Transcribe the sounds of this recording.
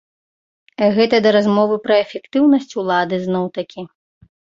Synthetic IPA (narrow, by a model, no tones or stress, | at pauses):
aɣɛt̪ɐd̪ɐɾazmɔvɨpɾɐɛfʲɛkt̪ɨwnɐsʲt͡sʲulˠad̪ɨznɔwt̪ɐkʲi